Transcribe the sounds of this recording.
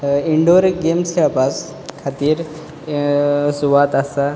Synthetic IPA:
iɳɖoɾɡemsapas | kʰat̪iɾ | suʋat̪ɐsa

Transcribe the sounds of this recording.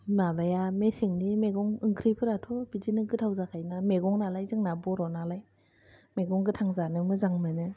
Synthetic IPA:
nalajamesiŋnimeɡɔŋɯŋkʰɾipʰɯɾatʰɔbidinɯɡɯtʰawzakʰajnameɡɔŋnalajzɯŋnabɔɾɔnalaj | meɡɔŋɡɯtʰaŋzanɯmɯzaŋmɯnɯ

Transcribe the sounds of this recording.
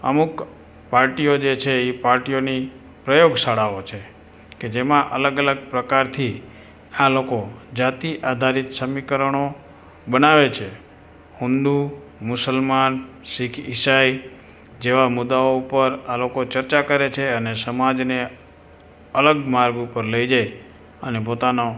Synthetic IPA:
ə̰muk | paɾʈijod͡ʒet͡ʃʰeipaɾʈijoni | pɾəjoɡsaɽaot͡ʃʰe | ked͡ʒemãʔə̰ləɡələɡ̚pɾəkaɾt̪ʰi | alokod͡ʒat̪iʔad̪ʱaɾit̪səmikəɾəɳ̃o | bənaʋet͡ʃʰe | hund̪u | mʊsəlman | sikʰisaj | d͡ʒeʋamʊd̪ːaoupəɾalokot͡ʃəɾt͡ʃakəɾet͡ʃʰeənesəmad͡ʒne | ələɡmaɾɡupəɾləid͡ʒaj | ənepot̪ano

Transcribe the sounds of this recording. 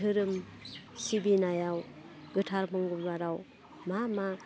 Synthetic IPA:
ɯɾɯm | sibinajaw | ɡɯtʰaɾmɯŋɡumbaɾaw | mama

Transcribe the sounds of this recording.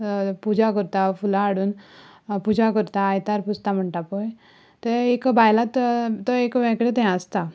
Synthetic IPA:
pud͡ʑakəɾt̪afulaːɽuːn | pud͡ʑakəɾt̪aːjt̪aɾpust̪am̤əɳʈapoj | t̪eekbʱajlat̪t̪ːɔekʋɛ̃kɭet̪ɛ̃əst̪a

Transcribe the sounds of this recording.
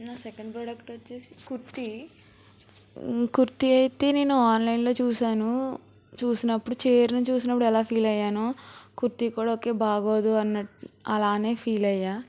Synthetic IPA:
naːsɛkɐɳɖpɾɐːɖɐkʈʋɐt͡ʃːeːsi̥kuɾt̪i | kuɾt̪iɐjt̪e̞ːne̞ːnuaːnlɐjnlo̞ːt͡ʃuːsaːnu | t͡ʃuːsinɐpːuɽut͡ʃe̞ːɾinɐt͡ʃuːs̬inɐpːuɽuɛlaːpʰiːlɐjːaːnokuɾt̪ikuːɽaːoːke̞ːbaːɡo̞ːd̪uɐnːɐʈɐlaːne̞ːpʰiːlɐjːaː

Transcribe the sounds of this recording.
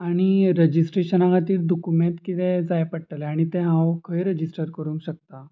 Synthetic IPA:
aɽ̃iɾəd͡ʑisʈɾeɕənãkat̪iːld̪ɔkumẽɳt̪kit̪ed͡zajpəɽʈ̪aleaɽ̃it̪eɦãwkʰəjɾəd͡ʑisʈəɾkəɾuːŋkɕək̚t̪a

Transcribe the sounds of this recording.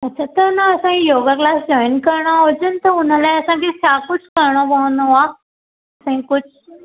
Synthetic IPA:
ətːt͡ɕʰat̪əɾnaəsãɦĩjoɡaklasd͡ʑɔjnkəɾɳad͡ʑənt̪əɦunalaəsãkikʰakut͡skəɾɳɔbaɦunɔʋa | əsãɦĩkut͡sʰ

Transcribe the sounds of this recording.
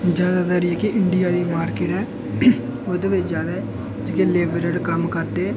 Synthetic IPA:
d͡ʒjaːd̪aːd̪əɾiɛːkɪʔɪɳɖɪjaːd̪iːmaːɾkeːʈɦɛː | od̪eːʋɪt͡ʃd͡ʒjaːd̪aːɛ | d͡ʒɪkeleːʋɾəɖkəmkəɾd̪eː

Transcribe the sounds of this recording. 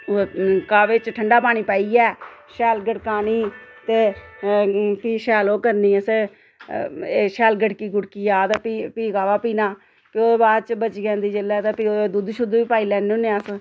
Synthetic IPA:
okaːʋeːt͡ʃʈʰəɳɖaːpaːñiːpaːiːɛːʃɛːlɡəʈkaːniːt̪eː | piːʃɛːloːkəɾniːəseː | eːʃɛːlɡəʈkiːɡʊɽkiːjaːd̪piːpiːkaːʋaːpiːnaː | pɪoːbaːd̪t͡ʃbət͡ʃːɡɛ̃ːnd̪iːd͡ʒelːɛːt̪eːpiod̪ud̪ʃʊd̪ʋiːpaːiːlɛːneõːneːəs

